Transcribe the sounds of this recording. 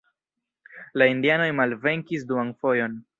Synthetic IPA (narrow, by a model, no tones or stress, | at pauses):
laindiano̞jmalve̞ŋkis̬duanfo̞jo̞n